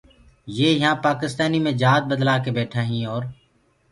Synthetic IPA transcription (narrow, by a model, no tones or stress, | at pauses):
jeːjəɦãːpaːkɪst̪aːniːmẽːd͡ʒaːd̪̚bəd̪laːkeːbeːʈʰaːɦĩːɔːɾ